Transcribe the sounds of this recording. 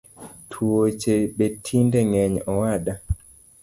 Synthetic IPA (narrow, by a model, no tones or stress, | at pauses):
tʰwot͡ʃebetʰindeŋɛɲɔwada